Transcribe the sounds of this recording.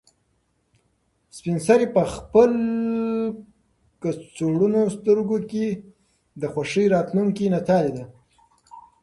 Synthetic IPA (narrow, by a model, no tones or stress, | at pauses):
spɪnsaɾipəxpəl | kat͡soɽunost̪əɾɡoke | d̪əxwaʂəjɾɑt̪luŋkinat̪ɑlid̪a